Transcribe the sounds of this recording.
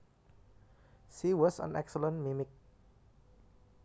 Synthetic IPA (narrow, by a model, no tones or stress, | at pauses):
ʃiwɔsɔ̰̃nɛ̰ksələ̃nmimɪk̚